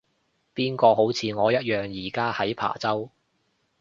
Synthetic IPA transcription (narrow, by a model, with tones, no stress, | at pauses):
piː˥nkɔː˧ɦo˨˥wt͡sʰiː˨˧ŋɔː˨˧jɐ˥t̚jœː˨˩ŋjiː˨˩kaː˥hɐ˨˥jpʰa̰ː˨˩t͡sɐ˥w